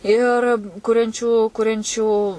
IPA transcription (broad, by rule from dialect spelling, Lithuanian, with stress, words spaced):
ˈɪr ˈkʊrʲɛnʲt͡ʃʲuː ˈkʊrʲɛnʲt͡ʃʲuː